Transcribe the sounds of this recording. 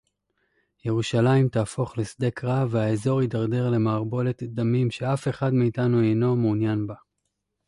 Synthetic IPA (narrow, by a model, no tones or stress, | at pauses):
je̞ʁuʃalaimtaːfo̞χlesd̪e̞kʁaveaezo̞ʁidaʁde̞ʁle̞maːʁbo̞le̞td̪amimʃe̞afe̞χadmiːtanuejno̞muːnjanba